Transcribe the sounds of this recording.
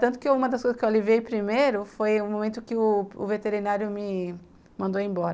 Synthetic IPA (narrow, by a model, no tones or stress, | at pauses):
t̪ɐ̃nt̪ʊkɪeũmɐd̪ɐskojzɐskewaliviejpɾimejɾʊfojʊmomẽnt̪ʊkɪʊʊ̰vet̪eɾinaɾjʊmɪ | mɐ̃nd̪oẽj̃bɔɾɐ